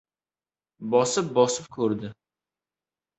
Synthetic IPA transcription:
bɒsɪp̚bɒsɪp̚kʰɵɾd̪ɪ

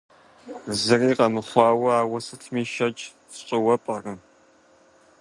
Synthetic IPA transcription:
zɨriːqɐmɨχʷɑːwɐaːwɐsɨtʰmiːʃɐt͡ʃʼ | fɕʼɪwɐpʼɐrɨm

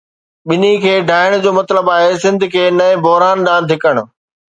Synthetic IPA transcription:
ɓɪnikʰeːɖʱaːɪɽ̃d͡ʑoːmɐt̪ləbaːɦesɪ̃nd̪ʱkʰeːnɐẽbʱɔɦɾaːnɗãːnd̪ʱɪkəɽ̃ʊ̆

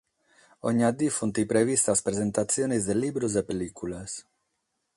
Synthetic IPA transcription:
oɲad̪ifunt̪ipɾeβist̪aspɾezent̪asjonizd̪elibɾuzepelikules

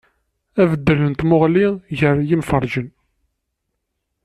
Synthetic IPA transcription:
ævəd̪ːələnt̪mʊʁliʝəɾjimfəɾˤʒən

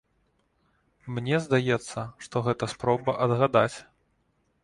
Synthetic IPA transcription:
mnʲɛzd̪ajɛt̪sːɐʂt̪ɔɣɛt̪ɐspɾɔbɐʔɐd̪ɣad̪at͡sʲ

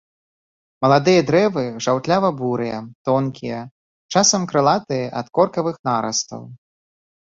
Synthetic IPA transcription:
mɐlˠad̪ɨjɐd̪ɾɛvɨʐawt̪lʲavɐbuɾɨjɐt̪ɔnkʲijɐ | t͡ʂasɐmkɾɨlˠat̪ɨjɐʔɐt̪kɔrkɐvɨxnaɾɐ̰st̪ɐ̰w

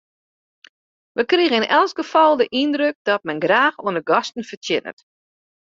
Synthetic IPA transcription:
ʋəkriɣəɪnʔɛlˠsɡ̥əfɔlˠdəʔindrøk̚dɔt̚mɛnɡraːxoənəɡɔstn̩fərtjɪnə̰t

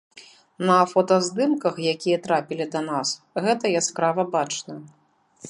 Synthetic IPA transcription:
nɐfɔt̪ɐzd̪ɨmkɐxjakʲijɐt̪ɾapʲilʲid̪ɐnas | ɣɛt̪ɐjaspɾavɐbat͡ʂnɐ

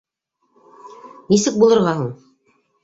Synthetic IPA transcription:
nisɘk̚bulˠɤ̆ɾʁɑɦuɴ

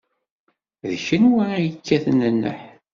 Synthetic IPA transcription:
ðçənwæɾæjəkʰːæθənənːə̰ħ

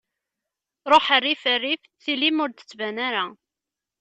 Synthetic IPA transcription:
ɾˤoħərːifərːif | θilimʊɾd̪ə̥t͡sːvænaɾa

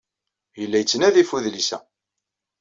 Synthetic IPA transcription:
jəlːæjət͡sːənæðifuðlisæ̰

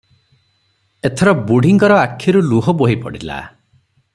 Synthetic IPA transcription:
et̪ʰɔɾɔbuɽ̤ʱiŋkɔɾɔakʰːjɔɾuluɦɔboɦipɔ̰ɽila̰

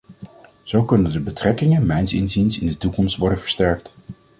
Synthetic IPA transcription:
z̥owkɵnəndəbətrɛkɪŋənmɛjnsɪnzinsɪ̰ndətukɔmstʋɔɹdənvəɹstɛɹk̚t

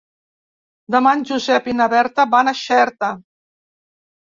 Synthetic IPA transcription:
d̪əmanʲʒuzɛpinaβɛɾt̪əβanaʃɛɾt̪ə

